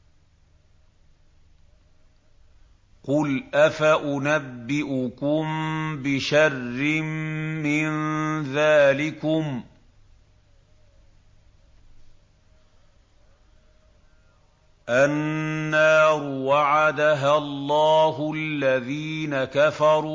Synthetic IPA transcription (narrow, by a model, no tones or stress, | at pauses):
qʊlʔafaʔʊnabːɪʔʊkʊmbɪʃarːɪmːɪnðaːlɪkʊm | ʔanːaːɾʊwaʕad̪aɦalˤːɑːɦʊalːaðiːnakafɑɾˤuː